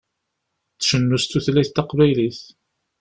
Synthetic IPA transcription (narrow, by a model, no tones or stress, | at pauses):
t͡sːʃənːust̪uθliθt̪ɑqvæjliθ